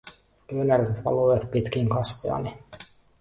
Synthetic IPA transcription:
pyønæɾt̪et̪ʋɑ̰lujɑt̪pit̪k̟iŋkɑsʋiɑ̰ni

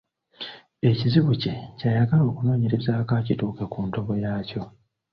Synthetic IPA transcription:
e̞ciziβuce̞cajaɡalo̞ːkuno̞ːɲe̞ɾe̞zaːkacituːkekuːnto̞βo̞jaːco̞

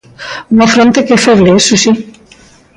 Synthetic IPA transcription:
mafɾont̪ekefeɾleesusi

